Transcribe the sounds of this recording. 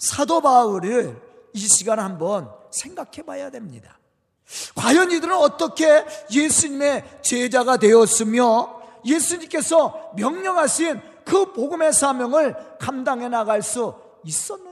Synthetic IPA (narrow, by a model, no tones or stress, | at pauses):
sʰadobauɾiɭ | iɕʰiɡanɦambʌnsʰe̞ŋɡakʰe̞bajadwe̞mɲḭda | kwajʌnidɯɾɯnʌt͈ʌkʰe̞jesʰuɲime̞t͡ɕed͡ʑaɡadwe̞jʌs͈ɯmjʌjesʰuɲimk͈e̞sʰʌmjʌŋɲʌŋɦaɕʰin | kɯpoɡɯme̞sʰamjʌŋɯɭkamdaŋɦe̞naɣaɭs͈u | is͈ʌnː